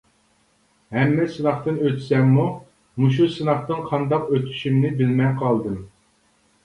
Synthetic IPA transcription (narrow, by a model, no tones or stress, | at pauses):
hɛmːɛsɨnɑχt̪ɨnøt̪ʰsɛmːu | muʃ̬usɨnɑχt̪ɨnqʰɑnd̪ɑqøt̪ʰy̥ʃimnɪbɪlmɛŋqʰɑlˠd̪ɨm